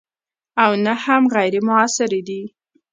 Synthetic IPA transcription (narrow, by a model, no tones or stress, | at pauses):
awnahamɣajɾemʊasɪɾed̪i